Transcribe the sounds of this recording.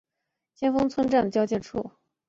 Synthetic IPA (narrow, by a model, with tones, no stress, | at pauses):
ɕʰjɛ˥nfɤ˥ŋt͡sʰwə˥nʈ͡ʂa˥˩nə˩t͡ɕjɑ˥ʊt͡ɕjɛ˥˧ʈ͡ʂʰṵ˥˩